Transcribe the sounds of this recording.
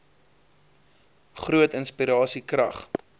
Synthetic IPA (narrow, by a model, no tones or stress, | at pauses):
χruətənspiɾɑːsikrɐ̰χ